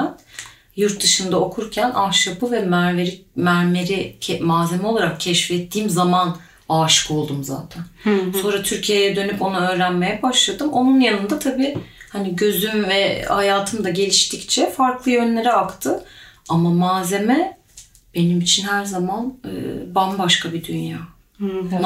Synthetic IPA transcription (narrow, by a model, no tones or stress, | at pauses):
n | juɾt̪̚d̪ɯʃɯnd̪ao̞kʰuɾcʰænʔaʃjapɯvɛmæɾveɾimæɾmeɾiɛmaːze̞mɛo̞lˠaɾakcʰɛʃfɛt̪ʰːiːmzaman | aʃko̞lˠd̪umza̰ːt̪ʰænso̞nɾat̪ʰyɾcʰijejɛd̪ø̞nypo̞naø̞ːɾænme̞jɛbaʃlˠad̪ɯmo̞nunjanɯnd̪at̪ʰabiː | haniɟø̞zymvɛhajaːt̪ʰɯmd̪aɟe̞lʲiʃt̪ʰict͡ʃʰɛfaɾklˠɯjø̞nlʲe̞ɾɛakt̪ʰɯamamaːze̞mɛ | b̥e̞nimit͡ʃʰinhæɾzamanɯ̰bambaʃkabid̪ynjaː